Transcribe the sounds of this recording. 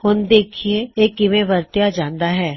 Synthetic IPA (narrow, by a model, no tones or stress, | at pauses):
hʊnd̪eːkʰieeːkːimẽʋɐɾt̪jad͡ʒãːnd̪aɦɛː